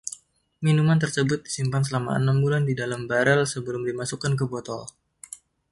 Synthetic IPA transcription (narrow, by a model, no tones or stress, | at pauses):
minumant̪ərsəbʊt̪̚disimpans̬əlama̰ə̰nambulandidalambaɾəlsəbəlʊmdimasukank̬əbɔt̪ɔl